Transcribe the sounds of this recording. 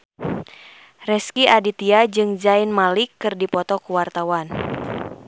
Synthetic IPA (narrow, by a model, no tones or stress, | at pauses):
rɛskiʔadit̪iad͡ʒɨŋd͡ʒainmalɪkːɨrdipɔt̪ɔkuwart̪awan